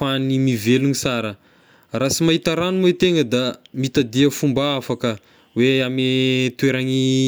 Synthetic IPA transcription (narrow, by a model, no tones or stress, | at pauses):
animiveluɲisaɾə | rasimaɦit̪aɾanumwet̪eŋəd̪amit̪ad̪iəfumbaafakə | weamet̪weɾaɲi